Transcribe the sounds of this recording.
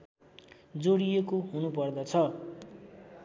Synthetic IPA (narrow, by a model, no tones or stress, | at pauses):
d͡zoɽijekoɦunupʌrd̪ʌt͡sʰʌ